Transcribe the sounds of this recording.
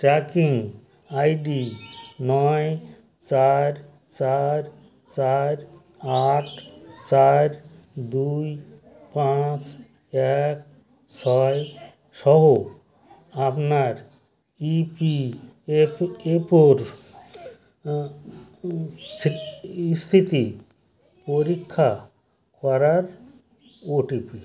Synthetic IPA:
ʈɾakiŋɡ | ajɖinɔj | t͡ʃaɾ | t͡ʃaɾ | t͡ʃaɾ | aʈʰt͡ʃaɾ | d̪uj | pãt͡ʃ | ek̚ | sʰɔj | ʃɔɦo | apnaɾ | ipi | epoɾ | st̪ʰit̪i | poɾikʰːa | kɔɾaɾ | oʈipi

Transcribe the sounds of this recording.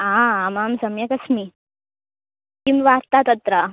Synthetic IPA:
ãamaːmsɐmjɐkɐsmi | kimʋaɾt̪at̪ɐt̪ɾa

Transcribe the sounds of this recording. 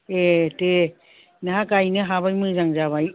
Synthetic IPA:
etɯ | naɦakajnɯɦaβajmɯd͡ʒaŋd͡ʒaβaj

